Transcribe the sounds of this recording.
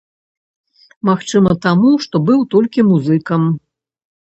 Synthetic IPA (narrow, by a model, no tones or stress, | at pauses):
maxt͡ʂɨmɐt̪amuʂt̪ɔbɨwt̪ɔlʲkʲimuzɨkɐm